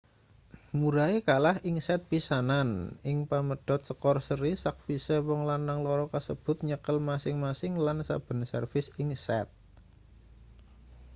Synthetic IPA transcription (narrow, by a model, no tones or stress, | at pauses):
muɾaikalahiŋsɛt̪̚pisananɪŋpaməɖ̥ɔ̤t̪̚səkɔrsəɾisak̚bisɛwɔŋlanaŋlɔɾɔkasəb̥ʊ̤t̪̚ɲəkəlmasɪŋmasɪŋlansa̰b̥ə̤nsə̰rfɪsiŋsɛt̪̚